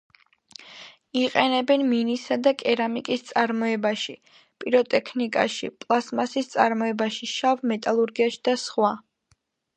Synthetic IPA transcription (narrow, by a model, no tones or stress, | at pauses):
iqʼɛnɛbɛnminisad̪akʼɛɾamikʼist̪sʼaɾmɔɛbaʃi | pʼiɾɔt̪ʼɛkʰnikʼa̰ʃḭpʼlˠasmasist̪sʼa̰ɾmɔɛbaʃiʃavmɛt̪ʼalˠuɾɡiaʃi̥d̪̥asχwa